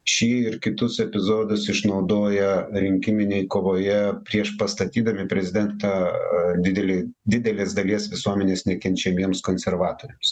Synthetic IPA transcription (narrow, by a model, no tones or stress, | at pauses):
ʃʲiːɪɾkʲɪt̪ʊsɛpʲɪzoːd̪ʊsɪʃnɐʊd̪oːjɛɾʲɪŋʲkʲɪmʲɪnʲejkoːʋoːjɛpʲɾʲiɛʃpɐst̪ɐt̪ʲiːd̪ɐmʲɪpʲɾʲɛzʲɪd̪ʲɛnt̪ɑd̪ʲɪd̪ʲɛlʲed̪ʲɪd̪ʲɛlʲeːsd̪ɐlʲiɛsʋʲɪsuɔmʲɛnʲeːsnʲɛkʲɛnʲt͡ʃʲɛmʲiɛmskoːnʲsʲɛɾʋɑːt̪oːɾʲɛms